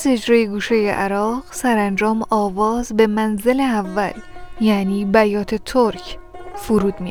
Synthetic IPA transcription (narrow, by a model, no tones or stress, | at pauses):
zed͡ʒɾɒːjeɡuːʃejeʔæɾɒːʁsæɾænd͡ʒɒːmɒːvɒːzbe̞mænze̞leævːæ̰ljæniːbæjɒːt̪ʰe̞t̪ʰoɾcʰfuɾuːd̪mi